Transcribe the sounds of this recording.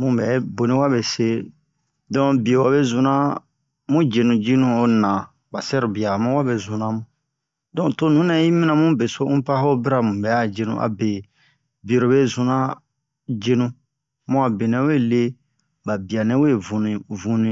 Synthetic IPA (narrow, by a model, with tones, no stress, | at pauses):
mũ˨bɛ˨˦bo˨nĩ˦wa˦be˨se˦ | dɔ̃˦bi˨o˨wa˨βe˦zũ˨nã˦ | mũ˦d͡ʒe˨nũ˨d͡ʒi˦nũ˦o˦nã˨ | ba˨sɛ˦ɾu˨bi˨a˨mũ˦wa˦be˨zũ˨nã˦mũ˨ | dɔ̃˦˨to˦nũ˨˦nɛ̃˨˦ji˦mĩ˦nã˨mũ˦be˨sõ˦pa˦ɦo˦bi˦ɾa˨mũ˨bɛ˨˦a˨d͡ʒe˦nṵ̃˦ʔa̰˨be˨ | bi˨o˨ɾo˨be˦zũ˨˦nã˦ | d͡ʒe˦nũ˦ | mũ˦a˨be˨nɛ̃˨˦we˦˨le˦ | ba˨bi˨a˨nɛ̃˦we˦˨vũ˨nĩ˨vũ˨˦nĩ˦